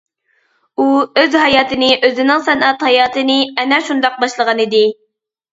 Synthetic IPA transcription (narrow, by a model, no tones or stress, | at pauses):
uøzɦɑjɑːt̪ɨnɨʔøzɪnɪŋsɛnʔɑt̪hɑjɑːt̪ɨnɨɛnɛʃund̪ɑq̚bɑʃlˠəʁɑnid̪ɪ